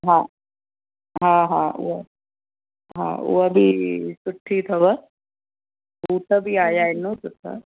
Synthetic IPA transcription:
ɦãː | ɦãːɦãːṵɐ | ɦã̰ːṵɐbʱisʊʈʰːit̪ʰɐʋɐ | uːt̪ʰɐbʱiaːjaːinːuːt̪ɐt̪ʰɐ̰

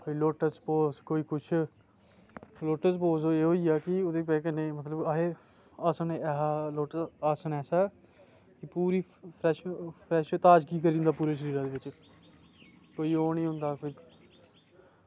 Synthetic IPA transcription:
koːiːloːʈəspoːskoːiːkʊt͡ʃʰ | loːʈəspoːsoːeːɦoːiːaːkɪʊd̪eːpɛkənːeːmət̪ləbaɦeː | aːsəneɛːɦaːloːʈəsaːsənɛːsaː | kɪpuːɾiːpʰɾɛːʃpʰɾɛːʃt̪aːd͡ʒkiːkəɾĩːnd̪aːpuːɾaːʃ̬əɾiːɾãːd̪eːʋɪt͡ʃ | koːiːoːnĩːɦʊ̃nd̪aːkoːiː

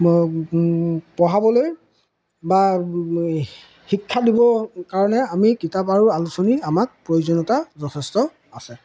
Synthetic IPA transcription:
pɔɦabɔloj | ba | hikʰːadibɔkaɹɔnɛamikitapaɹʊalusɔniamak̚pɹojozɔnɔtazɔtʰɛstɔ | asɛ

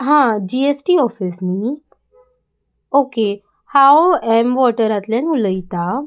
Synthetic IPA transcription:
ɦãd͡ʑiesʈiːɔfisni | oke | hawɛmʋɔʈəɾat̪ljãnuləjit̪a

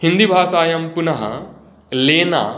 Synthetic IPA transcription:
hĩnd̪ibʱaːsaːjɐmpʊnɐɦɐ̰ | leːna̰

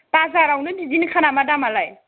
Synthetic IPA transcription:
pazaɾawnɯnizinkʰanamadamalaj

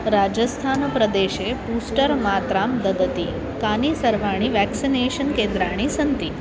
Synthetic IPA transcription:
ɾad͡ʒəst̪ʰanpɾəd̪eʃepusʈəɾmaːt̪ɾamd̪əd̪ət̪i | kanisəɾʋaɽ̃iʋɛksineʃənkend̪ɾaɽ̃isənt̪i

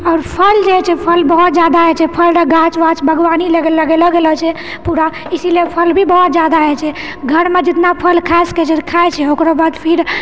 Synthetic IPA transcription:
ɔːɾpʰəld͡ʒɛt͡ʃʰɛpʰəlbəɦut̪̚d͡ʒad̪aɦɛt͡ʃʰɛpʰəlɾəɡãt͡ʃʋat͡ʃbʱəɡʋanileɡeləɡelɔɡelɔt͡ʃʰɛ | puɾa | isilepʰəlbʱibəɦut̪̚d͡ʒad̪aɦɛt͡ʃʰɛ | ɡʱəɾmed͡ʒɪt̪napʰəlkʰasket͡ʃʰɛkʰaet͡ʃʰɛokɾabad̪pʰiɾ

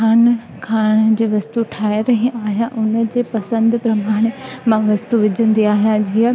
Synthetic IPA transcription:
aːn | kʰaːɽ̃d͡ʑeːʋɐst̪uʈʰaːɪɾɐɦĩʔaːɦijãʔʊnə̆d͡ʑeːpɐsə̃nd̪pɾɐmaːɽ̃emãʋɐst̪uʋɪd͡ʑʱə̃nd̪iaːɦijãd͡ʑiə

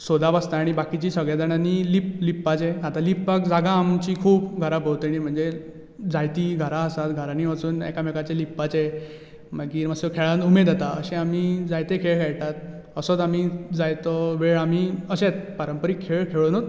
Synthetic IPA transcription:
sod̪abast̪aːɽ̃ibakit͡ɕiːsəɡɭjad͡z̪aɳaniliplipːat͡seat̪alipbakd͡zaɡãːmt͡ɕiːkʰuːbɡʱəɾapəwt̪inim̤əɳd͡ze | d͡zajt̪iːɡʱəɾaəsat̪ɡʱəɾaniʋat͡suːnɛ̰kamekat͡ɕelipːat͡se | makiːɾməsekʰeɭãnt̪umed̪at̪aəɕẽamid͡zajt̪ekʰeɭkʰaɭʈ̪at̪̚ | əsət͡samid͡zajt̪ɔʋeɭamiːəɕet͡spəɾəmpəɾiːkʰeɭkʰeɭonot̪

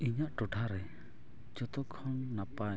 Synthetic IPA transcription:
iɲaʔʈɔʈʰaɾɛ | d͡ʒɔt̪ɔkʰɔnnapaj

